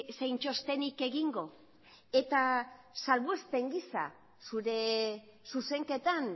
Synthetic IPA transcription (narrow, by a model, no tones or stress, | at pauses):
sejnt͡ʃo̞st̪e̞nike̞ɣiŋɡo̞ | e̞t̪asalβuespe̞ŋɡisa̰ | suɾe̞ | suse̞ŋke̞t̪an